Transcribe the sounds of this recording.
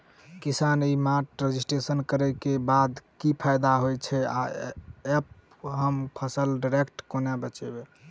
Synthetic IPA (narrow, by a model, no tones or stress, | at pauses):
kisanimaʈɾed͡ʒisʈɾesənkəɾɛkebad̪kipʰajd̪aɦojt͡ʃʰɛa̰ep | ɦəmpʰəsəlɖiɾekʈkonabət͡ʃɛbe